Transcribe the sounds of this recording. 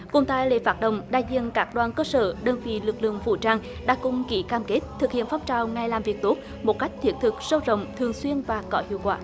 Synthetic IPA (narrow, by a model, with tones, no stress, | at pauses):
kʊ̰˧˩ŋ͡mt̪a̰ː˧˨jlḛ˧˨faː˦˥t̚ɗə̰˧˨wŋ͡mɗa̰ː˧˨jzḭ˧˨nkaː˦˥k̚ɗwaː˧nkəː˧sə̰ː˧˩ɗəː˧˩nvḭ˧˨lɨ˨˩k̚lɨ̰˧˨əŋvṵ˧˩t͡ɕaː˧ŋ | ɗa̰ː˧˥kʊ̰˧˥ŋ͡mki˧˨˦kaː˧mke˦˥t̚t̪ʰɨ˨˩k̚hḭ˧˨ənfɔ˧˦wŋ͡mt͡ɕaː˨˩wŋa˨˧˩jlaː˨˩mvi˨˩ək̚t̪o˦˥t̚ | mo˨˩t̚ka˦˥jk̟̚t̪ʰi˦˥ət̚t̪ʰɨ˨˩k̚sə˧wzə̰˧˨wŋ͡mt̪ʰɨ˨˩əŋswi˧ənvaː˨˩kɔ˨˦hḭ˧˨əwkwaː˧˩